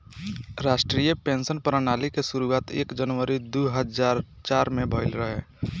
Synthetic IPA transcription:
ɾaːʃʈɾijəpẽːnsənpɾənaːlikesʊɾuaːt̪ḛːkd͡ʒənʋəɾid̪uːɦəzaːɾt͡ʃaːɾmẽbʱəɪlɾəɦeː

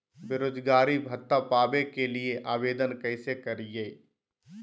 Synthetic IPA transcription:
beɾoːd͡ʒɡaːɾibʱɐt̪ːapaːbekelieʔaːʋeːd̪ənkɐɪsekɐɾiɡeː

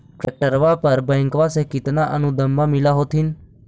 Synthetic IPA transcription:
ʈɾek̚ʈəɾʋapəɾbə̃jŋkʋasekɪt̪naʔənũd̪əmːãmɪlaɦoːt̪ʰin

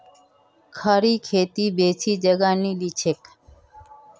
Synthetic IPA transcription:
kʰaɾikʰet̪ibet͡ʃʰid͡ʒəɡanilit͡ʃʰek

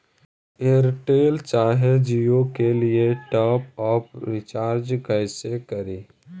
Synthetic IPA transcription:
eːəɾʈeːlt͡ʃaːɦed͡ʒijokelieʈɔːpɔːpɾɪt͡ʃaːɾd͡ʒkəɪsekɐɾiː

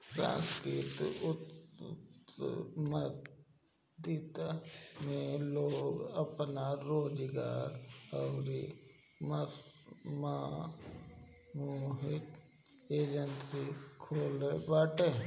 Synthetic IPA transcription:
sã̰ːnskɾɪt̪ʊt̪ | mət̪ | d̪iːt̪amẽloːɡəpnaɾoːd͡ʒɡaːɾɐwɾi | mə | ma | muɦɪt̪ | eːd͡ʒənsikʰoːlebaːʈeː

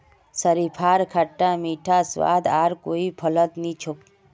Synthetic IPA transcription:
səɾipʰaːɾkʰaʈːamiːʈʰaswa̰ːd̪aːɾkoːipʰələt̪nĩt͡ʃʰʊk

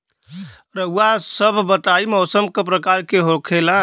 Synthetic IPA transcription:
ɾəɦuasəbʱbət̪aimɔsəmkepɾəkaɾkeɦokʰela

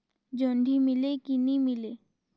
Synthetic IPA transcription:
d͡ʒəɳɖʱimɪlekinĩmɪleː

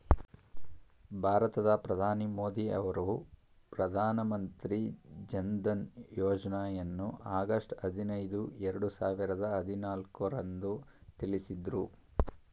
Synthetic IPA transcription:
bʱaːɾɐt̪ɐd̪ɐpɾɐd̪ʱaːnimo̞ːd̪iɐ̰ʋɐɾu | pɾɐd̪ʱaːnɐmɐnt̪ɾid͡ʒɐnd̪ɐnjɔːd͡ʒɐnaːjɐnːuʔaːɡɐʂʈɐd̪ʱinɐjd̪uɛɾɐɽusaːʋiɾɐd̪ɐɦɐd̪ʱinaːlkuɾɐnd̪ut̪ilisid̪ɾu

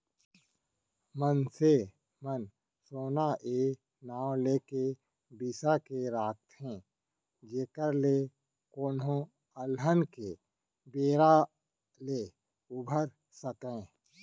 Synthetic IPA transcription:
mənse | mən | soːnaʔeː | naːw̃leke | bisakeɾaːk̚t̪ʰɦɛ̃ː | d͡ʒeːkəɾle | koːnɦõ | əlɦənke | beːɾa | leː | ʊbʱəɾ | səkẽː

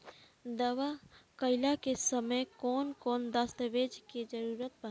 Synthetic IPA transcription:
d̪əʋakəɪlakesəməjkɔːnkɔːnd̪ast̪əʋeːd͡ʒkid͡ʒəɾuːɾət̪̚bə

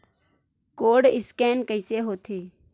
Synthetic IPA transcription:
koːɖɪskeːnkəɪseːɦoːt̪ʰeː

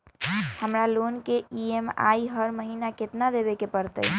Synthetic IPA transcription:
həmɾalonkeiema̰iɦəɾməɦinaket̪nad̪eβekepəɾt̪ə̰j

